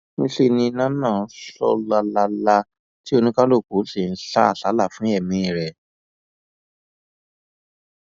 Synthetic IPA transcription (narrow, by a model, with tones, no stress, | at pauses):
nĩ˦ɬe˧nĩ˧˦nã˦nãː˦˨˦ʃɔ̰˧la˧la˧la˧ | ti˦o˧nĩ˦kã˦lo˦˨ku˨˦ɬe˦˨n̩˦ɬa˦a˦˨ɬa˨˦la˦˨fũ˨˦ɛ˦˨mĩ˨˦ĩ˨ɾɛ˨